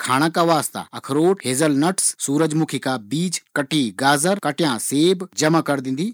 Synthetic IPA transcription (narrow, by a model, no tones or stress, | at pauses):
kʰaːɽ̃ãkaʋaːst̪a̰ɐkʰɾoːʈɦeːzəlnɐʈssuːɾəd͡ʒmukʰikabiːt͡ʃkɐʈiɡaːzəɾkɐʈɪjãseːbd͡ʒɐmakɐɾd̪ɪ̃n̆d̪iː